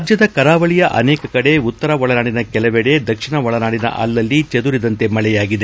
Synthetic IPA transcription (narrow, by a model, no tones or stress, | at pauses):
d͡ʒjɐd̪ɐkɐɾaːʋɐɭijɐʔɐ̰nɛːkɐkɐɽe̞ut̪ːɐɾɐʋɔɭɐnaːɽinɐkɛlɐʋɛɽe̞d̪ɐkʂiɳɐʋɔɭɐnaːɽinɐ̰ʔɐ̰lːɐlːit͡ʃɐd̪uɾid̪ɐnt̪e̞mɐɭɛjaːɡid̪e